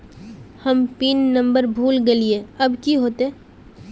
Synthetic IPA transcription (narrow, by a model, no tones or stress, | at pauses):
hɐmpiːnːɐ̃mbəɾbʱuːlɡelieɐbkiɦoːt̪e